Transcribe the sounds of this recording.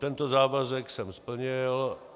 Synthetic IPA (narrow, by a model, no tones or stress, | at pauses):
t̪ɛnt̪ozaːvazɛksɛmspl̩ɲɪl